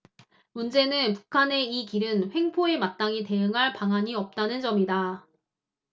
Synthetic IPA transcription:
mund͡ʑe̞nɯnpu̥kʰane̞ikiɾɯnɸwe̞ŋpʰoe̞mat̚t͈aŋite̞ɯŋɦaɭpaŋɦaɲiʌp̚t͈anɯnd͡ʑʌmida

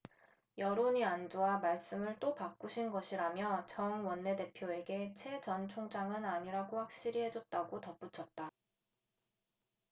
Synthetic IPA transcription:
jʌɾoɲiand͡ʑoamaɭs͈ɯmɯɭt͈opak͈uɕʰinɡʌɕʰiɾamjʌt͡ɕʌŋwʌnːe̞de̞pʰjoe̞ɡe̞t͡ɕʰe̞d͡ʑʌnt͡ɕʰoŋd͡ʑaŋɯnaɲiɾaɡoɸwak̚ɕ͈iɾiɦe̞d͡ʑot̚t͈aɡotʌp͈ut͡ɕʰʌt̚t͈a

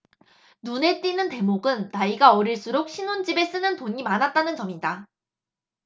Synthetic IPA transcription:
nune̞t͈inɯnte̞moɡɯnːaiɡaʌɾiɭs͈uɾok̚ɕʰinund͡ʑibe̞s͈ɯnɯntoɲimanat̚t͈anɯnt͡ɕʌmida

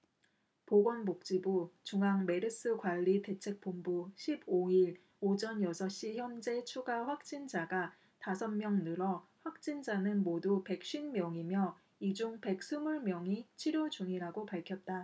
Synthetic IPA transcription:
poɡwʌnmok̚t͡ɕ͈ibut͡ɕuŋɦaŋme̞ɾɯs͈ɯkwaʎːite̞t͡ɕʰe̞k̚p͈ombuɕʰiboiɭ | od͡ʑʌnjʌsʰʌɕ͈içjʌnd͡ʑe̞t͡ɕʰuɡaɸwak̚t͡ɕ͈ind͡ʑaɡa | tasʰʌnmjʌŋnɯɾʌɸwak̚t͡ɕ͈ind͡ʑanɯnmodupe̞k̚ɕ͈ɥinmjʌŋimjʌ | id͡ʑuŋpe̞k̚s͈ʰumuɭmjʌŋit͡ɕʰiɾjod͡ʑuŋiɾaɡopaɭkʰjʌt̚t͈a

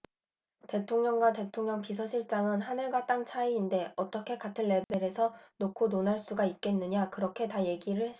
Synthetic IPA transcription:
te̞tʰoŋɲʌŋɡwate̞tʰoŋɲʌŋpis̬ʰʌɕʰiɭt͡ɕ͈aŋɯnɦanɯɭɡwat͈aŋt͡ɕʰaiːnde̞ʌt͈ʌkʰe̞katʰɯnːe̞be̞ɾe̞sʰʌnokʰononaɭs͈uɡait̚k͈e̞nːɯɲakɯɾʌkʰe̞taje̞ɡiɾɯɭhes͈ʌ

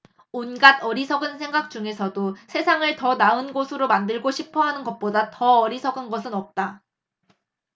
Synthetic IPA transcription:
onɡadʌɾisʰʌɡɯnsʰe̞ŋɡak̚t͡ɕ͈uŋe̞sʰʌdosʰe̞sʰaŋɯɭtʌnaɯnɡosʰɯɾomandɯɭɡoɕʰipʰʌɦanɯnɡʌt̚p͈odatʌʌɾisʰʌɡɯnɡʌsʰɯnʌp̚t͈a

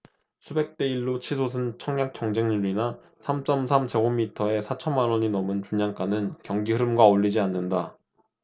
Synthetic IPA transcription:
sʰube̞k̚t͈e̞iɭːot͡ɕʰisʰos̬ʰɯnt͡ɕʰʌŋjak̚t͡ɕ͈jʌŋd͡ʑeŋɲuʎːina | sʰamt͡ɕ͈ʌmsʰamt͡ɕe̞ɡomːitʰʌe̞sʰat͡ɕʰʌnmːanwʌɲinʌmɯnt͡ɕuɲaŋk͈anɯnkjʌŋɡiɦɯɾɯmɡwaoʎːid͡ʑianːɯnda

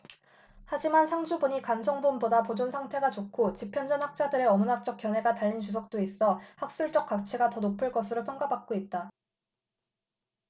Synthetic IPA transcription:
had͡ʑimansʰaŋd͡ʑubuɲikansʰʌŋbonbodapod͡ʑonsʰaŋtʰe̞ɡat͡ɕokʰot͡ɕipʰjʌnd͡ʑʌnhak̚t͡ɕ͈adɯɾe̞ʌmunak̚t͡ɕ͈ʌk̚k͈jʌnɦe̞ɡataʎːint͡ɕus̬ʰʌk̚t͈ois͈ʌhak̚s͈uɭt͡ɕ͈ʌk̚k͈ak̚t͡ɕʰeɡatʌnopʰɯɭk͈ʌsʰɯɾopʰjʌŋɡabak̚k͈oit̚t͈a

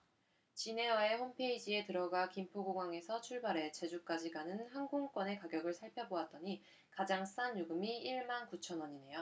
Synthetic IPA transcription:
t͡ɕine̞wae̞hompʰe̞id͡ʑie̞tɯɾʌɡakimpʰoɡoɡwaŋe̞sʰʌt͡ɕʰuɭbaɾe̞t͡ɕe̞d͡ʑuk͈ad͡ʑiɡanɯnhaŋɡoŋk͈wʌne̞kaɡjʌɡɯɭsʰaɭpʰjʌboat̚t͈ʌɲi | kad͡ʑaŋs͈anjuɡɯmiiɭmankut͡ɕʰʌnwʌɲine̞jo

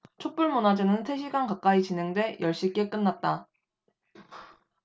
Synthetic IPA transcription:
t͡ɕʰok̚p͈uɭmonad͡ʑenɯnsʰe̞ɕ̬ʰiɡankak͈ait͡ɕinɦe̞ŋdwe̞jʌɭɕ͈ik͈e̞k͈ɯnːat̚t͈a

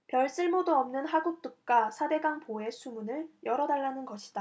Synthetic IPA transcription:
pjʌɭs͈ɯɭmodoʌmnɯnɦaɡuk̚t͈uk̚k͈asʰade̞ɡaŋpoe̞sʰumunɯɭjʌɾʌdaɭːanɯnɡʌɕʰi̥d̥a

